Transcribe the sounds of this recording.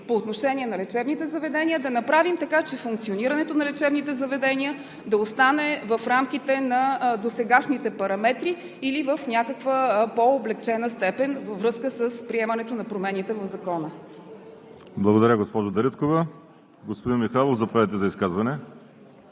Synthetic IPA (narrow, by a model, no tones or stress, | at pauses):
poːt̪noʃɛnʲiɛnɐlɛt͡ʃɛbnit̪ɛzɐvɛd̪ɛniəd̪ɐnɐpɾavimt̪ɐkat͡ʃɛfuŋk̚t̪sioniɾəɐnɛt̪onɐlɛt͡ʃɛbnit̪ɛzəvɛd̪ɛnʲiə | d̪ɐost̪anɛvəfɾamk̟it̪ɛnɐd̪osɛɡaʃnit̪ɛpɐɾɐmɛt̪ɾiː | livəfnʲjakəkvəpoːblɛk̚t͡ʃɛnəst̪ɛpɛnvəvɾɤskəsəspɾiɛmɐnɛt̪onɐpɾomɛnit̪ɛvɐvzɐkɔnə | blˠɐɡod̪ɐɾʲəɡospɔʒod̪ɐɾit̪kovə | ɡospod̪inmixalˠovzɐpɾavɛt̪ɛzɐiskazvɐnɛ